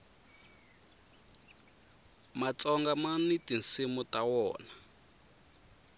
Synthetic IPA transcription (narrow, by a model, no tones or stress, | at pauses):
mat͡sɔŋɡamanitinsimutawɔːna